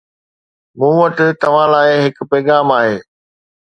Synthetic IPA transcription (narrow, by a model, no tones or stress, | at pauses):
mũːʋɐʈɪ̆t̪ɐʋ̤ãːlaːɪɦɪk̆pɛːɡaːmaːɦeː